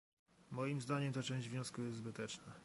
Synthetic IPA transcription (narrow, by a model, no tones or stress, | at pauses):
mɔjimzd̪aɲɛmt̪at͡ʂɛ̃w̃ʑd͡ʑvʲɲɔ̃skujɛst̪zbɘt̪ɛt͡ʂna